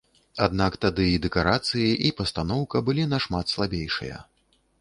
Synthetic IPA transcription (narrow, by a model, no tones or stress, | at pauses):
ad̪nakt̪ad̪ɨid̪ɛkaɾat̪sɨjiʔipɐst̪anɔwkɐbɨlʲinɐʂmat̪slˠabʲejʂɨ̰jɐ̰